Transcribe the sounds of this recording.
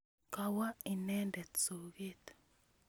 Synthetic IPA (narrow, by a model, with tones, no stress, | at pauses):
ka˦wa˦i˨nɛ˦ndɛ˨tt͡so˨ɡe˦t̪